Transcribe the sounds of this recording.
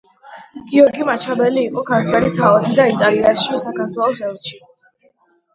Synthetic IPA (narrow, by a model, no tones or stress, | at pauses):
ɡ̥iɔɾɡimat͡ʃʰabɛliːqʼɔkʰaɾt̪ʰwɛɾit̪ʰaɔt̪ʰid̪ait̪ʼaliaʃisakaɾt̪ʰwɛlˠɔsɛlˠʃi